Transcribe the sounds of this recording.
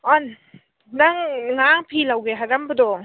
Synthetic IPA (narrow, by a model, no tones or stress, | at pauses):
ɔn | daŋŋaŋpʰilawɡeɦaɾambɯdɔŋ